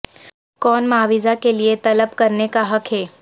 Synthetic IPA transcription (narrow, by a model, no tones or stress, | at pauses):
kɔːnmaːʋizakeliet̪ɐləb̚kɐɾnekaɦɐkʰɦɛː